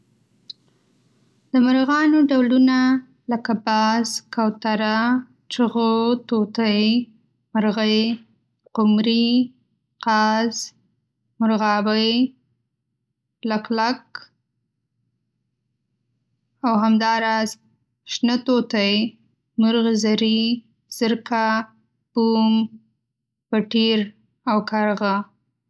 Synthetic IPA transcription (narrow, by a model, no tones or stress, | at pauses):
d̪əmaɾɣɑnoɖawluna | ləkabɑzkawt̪aɾa | t͡ʃəɣot̪ot̪əj | maɾɣəj | qʊmɾi | qɑz | mʊɾɣɑbəj | laklak | awɦamd̪ɑɾɑz | ʃnət̪ot̪aj | mʊɾɣzaɾi | z̥əɾka | b̥um | paʈiɾ | awkaɾɣa